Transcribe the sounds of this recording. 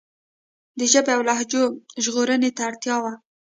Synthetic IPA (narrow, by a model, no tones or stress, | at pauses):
d̪əʒəbeawlɑɦd͡ʒoʒɣoɾənet̪aːɽt̪jɑwa